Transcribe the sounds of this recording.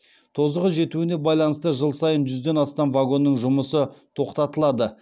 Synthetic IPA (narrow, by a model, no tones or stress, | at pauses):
t̪ʰo̞zəʁəʒe̞t̪uɪne̞bɑjlˠɑnəst̪əʒəlˠsɑjənʒʏzd̪e̞nɑst̪ɑmvaɡo̞nːəŋʒʊməsət̪ʰo̞qt̪ɑt̪əlˠɑd̪ə